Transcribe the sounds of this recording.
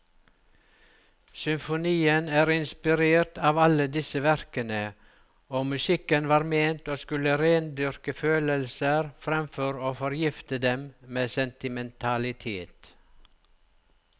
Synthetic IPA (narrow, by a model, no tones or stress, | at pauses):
sʏmfʊniːənæːɾɪnspɪɾeːɾʈɑːʋɑləd̪ɪsəʋæɾkənə | oːmʉsɪkənʋɑːɾmeːnt̪oːskʉləɾeːnd̪ʏɾkəføːləlsəɾfɾɛmfɔɾoːfɔɾjɪft̪əd̪ɛmmeːsɛnt̪ɪmɛnt̪ʰɑlɪt̪ʰḛːt̪